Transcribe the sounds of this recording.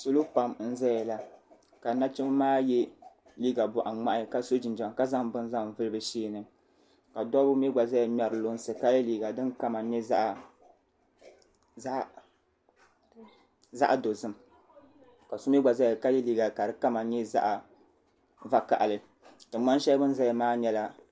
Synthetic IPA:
so˦lo˦pa˦mn̩˦zɛ˦jɛ˨la˨ | ka˨na˦t͡ʃɛ˦m˦maː˦jɛ˦ | liː˦ɡa˨bʊ˨ʔa˨ŋ͡ma˦ʔa˦˨ka˦so˦d͡ʒi˨nd͡ʒɛ˨˦ka˦za˦ŋbɨ˦n˦za˦ŋ˨vɨ˦lɨ˦bɨ˨ʃeː˦˨nɨ˨ | ka˨dɔ˦bʊ˦mɛ˦ɡ͡ba˨za˦a˨m˦a˨ɾɨ˨lo˦n˦sɨ˨ka˦jɛ˦liː˨ɡa˨dɨ˦nka˦ma˨ɲɛ˦za˦ʔ | za̰˦ʔa˨do˨zɨ˦m | ka˨so˦mɛ˦ɡ͡ba˨za˦jka˦jɛ˦liː˦ɡa˨ka˨dɨ˦ka˦ma˨ɲɛ˦za̰˦ʔa˨ | va˦ka̰˨ʔa˨lɨ˨ | tɨ˨˦a˦n˦ʃɛ˦bɨ˦n˦za˦jmaː˦ɲɛ˦la˦

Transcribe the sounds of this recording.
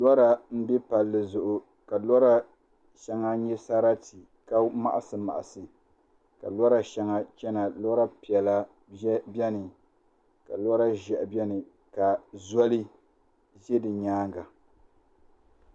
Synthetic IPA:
lɔ˦ɾa˨m̩˦bi˦pa˨lːɨ˨zʊ˨ʔʊ˨ | ka˨lɔ˦ɾa˨ | ʃa˨ŋa˦ɲɛ˦sa˦ɾa˦ti˨ | ka˦ma̰˨ʔa˦sɨ˨ma̰˨ʔa˨sɨ˨ | ka̰˨lɔ˦ɾa˨ʃa˨ŋa˦t͡ʃɛ˦na˨lɔ˦ɾa˦pi˨ɛ˨la˦ | bɛ˦nɨ˨ | ka̰˨lɔ˦ɾa˦ʒɛ˨ʔbɛ˦nɨ˨ | ka˨zɔ˦lɨ˦ | ʒɛ˦dɨ˨ɲaː˦ŋɡa˨

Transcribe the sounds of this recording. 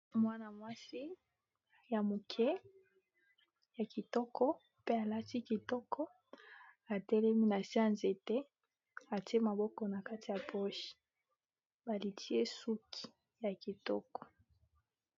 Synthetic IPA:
mwa˦na˨mwa˦si˦ | ja˨mu˨kʰɛ˦ | ja˨ki˨tɔ˦kʰɔ˦ | pe˦a˨la˦ti˦ki˨tɔ˦kɔ˦ | a˨tɛ˦lɛ˦mi˦na˨si˦a˦nze˨tɛ˦ | a˨ti˦e˦ma˨bɔ˦kɔ˨na˨ka˦ti˨ja˨po˦ʃi̥˨ | ba˨li˨tʰi˦e˦su˦kʰi̥˨ | ja˨ki˨tɔ˦kɔ̥˨

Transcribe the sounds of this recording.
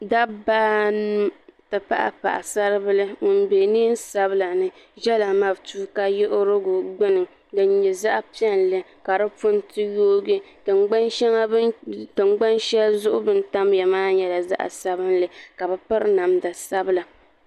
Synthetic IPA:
da˦baː˦nɨ˦tɨ˨pa̰˦ʔa̰˨pa̰˨ʔa̰˨sa˦ɾɨ˦bɨ˦lɨ˦ŋʊ˨n˦be˨nɨ˦n˦sa˦bɨ˦la˨nɨ˦ | ʒɛ˦la˨ma˦btuː˦ka˦jɪ˦ʔʊ˦ɾɨ˦ɡʊ˨ɡ͡bʊ˦nɨ˨ | dɨ˨˦ɲɛ˨za˦ʔpi˦ɛ˦nlɨ˦ | ka˨ɾɨ˦pʊ˦ntɨ˦joː˦ɡɨ˦ | tɨ˨ŋ͡mɡ͡ba˦nʃɛ˦ŋa˦tɨ˨ŋ͡mɡ͡ba˦nʃɛ˦lzʊ˦ʔʊ˦bɨ˦n˦ta˦m˦ja˨maː˦ɲɛ˦la˨za̰˦ʔa̰˨sa˦bɨ˦nlɨ˨ka˨bɨ˨pɨ˦ɾɨ˦na˨mda˨sa˦bɨ˦la˨

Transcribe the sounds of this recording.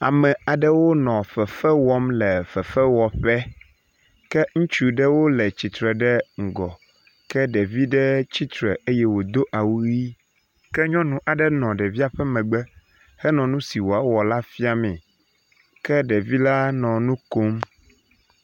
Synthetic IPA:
a̰˨mɛ̃˨a˨ɖɛ˦wo˦nɔ̃˨ɸɛ˨fɛ˦wɔ˦mlɛ˨fɛ˨fɛ˦wɔ˨ɸɛ˦ | kɛ˦ŋũ˦t͡ʃu˦ɖɛ˦wo˦lɛ˨t͡ɕi˨t̪ɾɛ˨ɖɛ˦ŋ̩˨ɡɔ˨ | kɛ˦ɖɛ˨vi˦ɖɛ˦t͡ɕi˦t̪ɾɛ̰˨e˦jɛ˦wo˨d̪o˦ʔa˨wu˦i˦ | kɛ˦ɲɔ̃˦nũ˦ʔa˨ɖɛ˦nɔ̃˨ɖɛ˨vi˦a˨ɸɛ˦mɛ̃˨ɡ͡bɛ˦ | hɛ˦nɔ̃˨nũ˦si˨wo˨a˦wɔ˨la˦fi˦a˨mɛ̃˨ | kɛ˦ɖɛ˨vi˦la˦nɔ̃˨nũ˦ko˦m

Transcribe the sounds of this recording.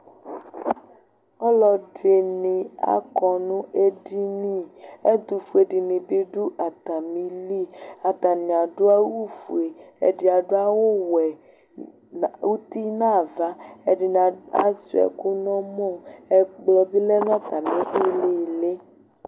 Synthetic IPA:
ɔ˦lɔ˨de˨nĩ˨a̰˨kɔ˨nũ˦ʔe˦di˦nĩ˦ɛ˦d̪u˨fu˨e˨di˨nĩ˨bi˦ɖu˦ʔa˨t̪a˨mĩ˦li˦a˨t̪a˨nĩ˨a˨ɖʊ˦a˦wu˦fu˨e˨ɛ̰˨di˨a˨ɖʊ˦a˦wo˦wɛ˨ | u˦t̪i˦nã˦˨va˦ɛ˨di˨na˨a̰˦zṵ˨ɛ̰˨ku˦nɔ̃˦mɔ̃˦˨ɛ˨ɡ͡blɔ˨bi˦lɛ˦nã˦t̪a˨mĩ˦ʔi˦le˦˨le˦

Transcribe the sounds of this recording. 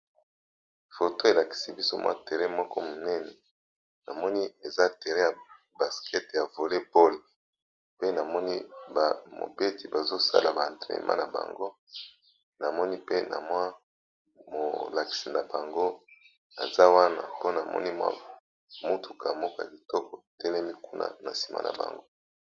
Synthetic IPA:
fo˨to˦e˨la˨ki̥˨si˨bi˦so˦mwʔa̰˦te˨ʁɛ˦mɔ˦kɔ˦mo˨nɛ˦nɛ˨ | na̰˨mɔ˦ni˦e˨za˦te˨ʁɛ˦ja˨ | ba˨skʰɛ˦tja˨vo˨le˦po˦le˨ | pe˦na˨mɔ˦ni˦ba˨mo̰˨be˦ti˨ba˨zo˦sa̰˦la˨ba˨tḛ˨mʔa̰˦na˨ba̰˨ŋɡo˦ | na˨mɔ˦ni˦pe˦nʔa̰˨mwa˦ | mo̰˨la˨ki̥˨sa˨na˨ba˨ŋɡo˦ | na̰˨za˦wa˦na̰˨po˦na˨mɔ̰˦ni˦mwa̰˦ | mo˦tʰu˨ka˨mo˦ko˨a̰˨bi˨tɔ˦kɔ˨tɛ˦lɛ˦mi˦ku˦na̰˨na˨si̥˨ma̰˨na̰˨ba̰˨ŋɡo˦

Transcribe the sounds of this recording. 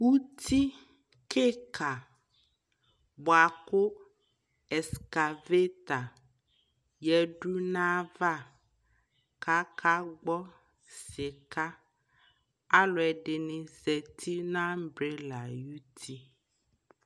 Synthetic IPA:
wu˦t̪ʰi˦ | kʰe˦kʰa˨ | bɔ˨a˨kʊ˦ | ɛ˨ska˨ve˦t̪a˨ | jɛ˨ɖu˦nã˦va˦ | ka˦kʰa˦ɡ͡bɔ˦ | sɪ˨ka˦ | a˦lɔ˨ɛ˨ɖɪ˨nɪ̃˨zɛ˨t̪ʰi˦nã˦m̩˦bɾe˦la˨ju˦t̪ʰi˦

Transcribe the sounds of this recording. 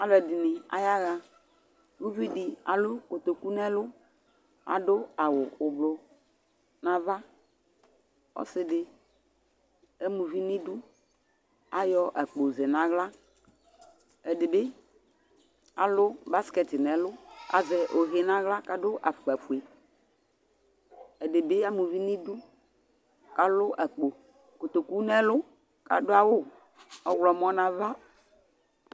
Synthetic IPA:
a˨lɛ˨di˨nɪ̃˨a̰˨ja˦ɣa˦ | wu˦vi˦di˨a˨lʊ˦ko˨t̪o˨ku˦nɛ̃˦lʊ˦ | a̰˨ɖʊ˦a˨wʊ˨ʊ˨blʊ˨ | nã˦va˦ | ɔ̰˦sɪ˦ɖɪ˨ | e˦mũ˨vi˦nĩ˦du˦ | a˦jɔ˦ʔa˨k͡po˨ze˨nã˦ɣla˦ | e˨dɪ˨be˦ | a˨lʊ˦ba˦skɛ˨t̪ɪ˨nɛ̃˨lʊ˦a̰˨zɛ˨ʔo˨ɣe˦nã˦ɣla˦ka˨ɖʊ˦ʔa˨fu˨a˨fu˨e˨ | e˨de˨be˦a˦mũ˨vi˦nĩ˦du˦ | ka˦lʊ˦ʔɛ˨k͡po˨ | ko˨t̪o˨ku˦nɛ̃˦lʊ˦ | ka̰˨dʊ˦a˦wo˦ | ɔ˦wlɔ˨mɔ̃˦nã˦va˦

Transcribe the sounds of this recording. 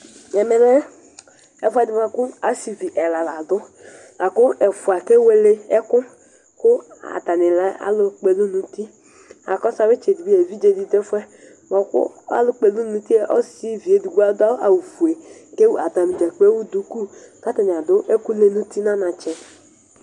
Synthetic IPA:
ɛ˨mɛ˨ɾɛ˦ | ɛ˨fʷa˦dɪ˦a˨kʊ˦a˦si˨vi˨ʔɛ˨la˨la˨dʊ˦ | la˨kʊ˦ɛ˨fu˨a˨ke˦we˦le˦ɛ˦kʊ˦ | kʊ˦a̰˨ta˨nɪ˨la˦a̰˦lʊ˦k͡pe˨lu˦nu˨ti˦ | a̰˨kɔ˦sa˨we˦t͡ʃe˨di˨bi˦e˨vi˦d͡ʒe˦di˨˦de˦fʷɛ˦ | mɔ˨˦kʊ̰˦a̰˦lʊ˦k͡pe˨lu˦nu˦ti˦e˦ʔɔ̰˦si˦vi˨e˨di˨ɡa˦dʊ˦a˦ʔa˨wu˨fu˨e˨ | ke˦wa˨ta˨mi˨d͡ʒa˨k͡pe˦wu˦du˦ku˦ka˨˦ta˨nɪ˨a˨dʊ˦ʔe˦ku˦le˦nu˦ti˦na˦na˨t͡ʃɛ˨

